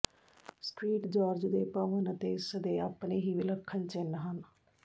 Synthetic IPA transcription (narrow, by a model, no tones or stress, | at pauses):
sʈɾiːʈd͡ʒaːɾd͡ʒd̪eːpəʋənət̪eːɪsd̪eːaːpneːɦiːʋɪləkʰːənt͡ʃɪnɦən